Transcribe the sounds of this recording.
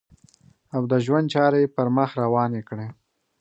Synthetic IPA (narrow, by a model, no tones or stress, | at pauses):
awd̪əʒwand̪̚t͡ʃɑɾajepəɾməxɾawɑnekɽe